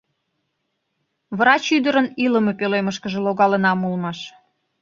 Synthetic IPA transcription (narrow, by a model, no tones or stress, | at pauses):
βɾɑt͡ɕyd̪əɾəniləmepeleməʃkəʒeloɣɑlənɑmulmɑʃ